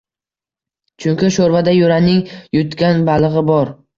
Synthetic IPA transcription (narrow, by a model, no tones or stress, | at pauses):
t͡ʃʰʊŋkʲɪʃoɾvad̪ajʊɾanɪŋjʊt̪kʲanbalˠɨʁɨbɒɾ